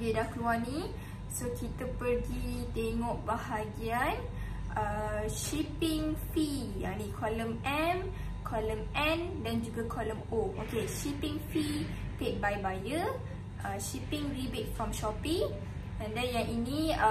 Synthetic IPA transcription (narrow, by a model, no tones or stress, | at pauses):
ɡidahkəluanĩ | sokʰit̪əpəɾɡit̪eŋɔ̃ʔbahaɡian | ʔəʃipiŋfi | ja̰nĩkʰɔləmɛm | kʰɔləmʔɛ̃ndand͡ʒuɡakʰɔləmoʔokeʃipɪ̃ŋfi | pet̚bajbajə | ʔəʃipɪŋribit̚fɾɔmʃɔpiŋ | ɛ̃ndɛnjaŋʔinĩ